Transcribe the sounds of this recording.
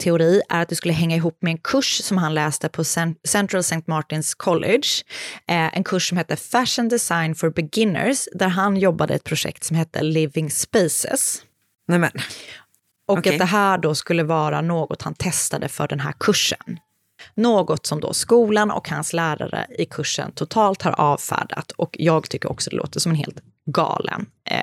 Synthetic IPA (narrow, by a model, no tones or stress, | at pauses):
t̪ʰɛʊɾiːʔæ̰ɾat̪̚d̪ɵskɵlːəɦɛŋːaɪɦuːpːmɛɛnkʰɵʂsɔmɦanlɛːst̪əpʰɔsɛnt̪ɾalsɛɪnt̪mɑʈɪnskʰɔlʔɪdʂ | ʔɛ̰nkʰɵʂsɔmhɛːt̪ːəfæʂənd̪ɛsajnfɔɾbɛɡɪnːə̰ɾsd̪æɾɦanjɔbːad̪ə̰ɛt̪̚pʰɾʊʂɛ̰k̚t̪sɔmhɛt̪ːə̰lɪvɪŋspesɛ̰s | ʔɔkːat̪d̪ɛɦæːɖoskɵlːəvɑːɾanoːɡɔt̪hant̪ʰɛst̪ad̪əfœ̰ɖɛnɦæ̰ːɾkʰɵʂːənː | oːɡɔt̪sɔmd̪ɔ̰skuːlanɔ̰khanslæːɾa̰ɾə̰ɪkʰɵʂːə̰nt̪ʰʊt̪ʰɑːlt̪haɾʔɑːvfæ̰ːɖa̰t̪ɔkjɑːɡt̪ʰʏkːəɾɔ̰ksɔd̪ɛ̰lo̰ːt̪əʂɔmɛnɦḛːlt̪ | ɡɑ̰ːlə̰n